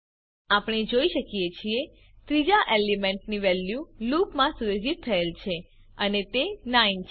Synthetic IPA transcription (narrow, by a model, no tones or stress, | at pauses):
apɽ̃ed͡ʒoiʃəkijet͡ʃʰie | t̪ɾid͡ʒaʔelimɛ̃ɳʈniʋɛljulupmãsujod͡ʒit̪ʰːəelt͡ʃʰe | ənet̪enaint͡ʃʰ